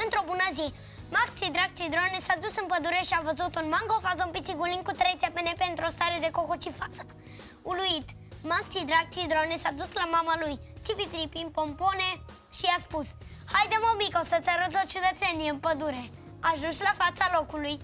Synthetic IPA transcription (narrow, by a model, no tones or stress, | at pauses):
ənt̪ɾobunazi | makt͡s̪id̪ɾak̪̚t͡s̪id̪ɾɔnɛsad̪usəmpəd̪uɾɛʃiavəzut̪ɔnmaŋɡɔfazɔmpit͡s̪iɡuliŋkut̪ɾɛt͡s̪ʲapɛnɛpɛnt̪ɾɔst̪aɾed̪ɛkɔkɔt͡ʃifasə | uluit̪ | makt͡s̪id̪ɾak̚t͡s̪id̪ɾɔnɛsad̪uslamamalujt͡sipit̪ɾipimpɔmpɔnɛ | ʃiaspus | hajd̪emɔwmikɔsət͡s̪ɛɾɔzɔt͡ʃud̪ət͡sɛniəmpəd̪uɾɛ | aʒd̪uʃlafat͡salokuluj